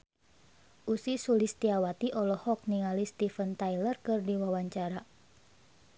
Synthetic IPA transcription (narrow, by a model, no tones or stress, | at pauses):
ʔusisulist̪iawat̪iʔɔlɔhɔk̚niŋalist̪ifənt̪ajlərkɨrdiwawaɲt͡ʃaɾa